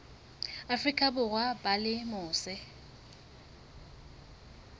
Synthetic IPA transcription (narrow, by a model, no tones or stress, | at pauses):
afrikʼabʊɣwabalɪmʊːsɪ